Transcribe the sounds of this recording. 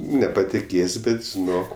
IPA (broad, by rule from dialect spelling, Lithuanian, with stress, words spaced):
nʲɛpɐtʲɪˈkʲeːsʲ ˈbʲɛt ʒʲɪˈnoːk